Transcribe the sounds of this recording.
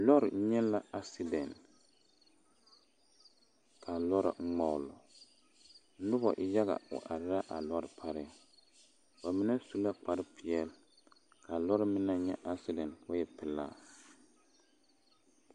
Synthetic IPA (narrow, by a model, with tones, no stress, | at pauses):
lɔ˦ɾɲɛ˦la˦a˦si˦dɛ˨n | kʰa˨lɔ˦ɾɪ̰˨ŋ̩˦ŋ͡mɔ˦˨ʊ˦˨lɔ̰˨˦ | nʊ˦bɔ̰˨ʔɪ˨ja˦ɣa̰˨ʊ̰˨ʔa̰˨ɾɪ˦ɾa˦ʔa˨lɔ˦ɾɪ˨pʰa˦ɾɪ˦˨ | ba˨mɪ˦nɛ˦su˦la˦k͡pa˨ɾɪ˦pʰɪ˨ɛ˦˨l | kʰa˨lɔ˦ɾɪ˦mɪ˦na˦ɲɛ˦ʔa˦si˦dɛ˨nwa˦jɛ˨pɪ˨laː˦˨